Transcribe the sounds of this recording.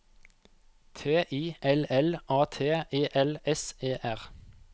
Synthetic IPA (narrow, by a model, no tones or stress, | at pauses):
t̪ʰeːʔiːʔɛlɛlʔɑːt̪ʰeːeːʔɛlɛseːʔæʁ